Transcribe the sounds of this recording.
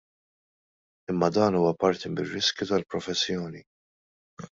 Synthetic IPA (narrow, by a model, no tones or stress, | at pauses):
ɪmːɐd̪ɐːnuːwɐpɐɾt̪imɪrːɪskjut̪ɐlpɾɔfɛsːjɔːni